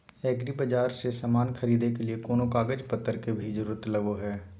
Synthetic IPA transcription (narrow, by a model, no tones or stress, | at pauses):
ɛːkɾibɐd͡ʒaːɾsesaːmaːnxɐɾiːd̪ekeliekoːnokaːɡəd͡ʒpɐt̪ːəɾkebʱid͡ʒəɾuːɾət̪lɐʋoɦɛː